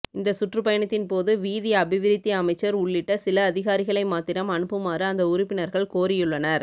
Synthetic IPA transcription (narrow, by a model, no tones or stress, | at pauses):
ɪnd̪ɐsʊʈrɯpɐjɐɳɐt̪ːɪnpoːðɯʋiːðɪjɐːbɪʋɪɾɪt̪ːiɐmɐɪt͡ʃːɐɾʊɭːɪʈːɐsɪlɐːðɪɣaːɾɪɣɐɭɐɪmaːt̪ɪɾɐmɐnɯpːɯmaːɾɯɐnd̪ɐʊɾʊpːɪnɐɾɣɐɭkoːɾɪjɯɭːɐnɐɾ